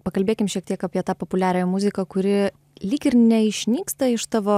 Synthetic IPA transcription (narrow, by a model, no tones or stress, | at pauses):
pɐkɐlʲbʲeːkʲɪmʃʲiɛkt̪ʲiɛkɑːpʲiɛt̪ɑːpoːpʊlʲæːɾʲɛjmʊzʲɪkɐkʊɾʲɪ | lʲiːkɪɾnʲɛɪʃʲnʲiːkst̪ɐɪʃt̪ɑːʋoː